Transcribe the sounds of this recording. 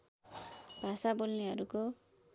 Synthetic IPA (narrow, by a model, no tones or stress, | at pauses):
bʱasabolneɦʌɾuko